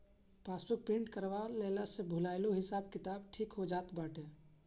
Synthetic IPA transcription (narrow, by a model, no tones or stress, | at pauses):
paːspək̚pĩːɳʈkəɾʋaleːlasebʱʊlaɪloɦɪsaːbkɪt̪aːbʈʰiːkɦod͡ʒaːt̪baːʈʰe